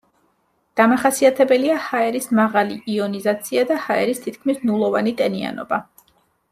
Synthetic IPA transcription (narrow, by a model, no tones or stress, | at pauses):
d̪̥amaχasiat̪ʰɛbɛliahaɛɾismaʁaliiɔnizat̪sʰiad̪ahaɛɾist̪ʰit̪̚ʰkʰmisnulˠɔvanit̪ʼɛnia̰nɔ̰ba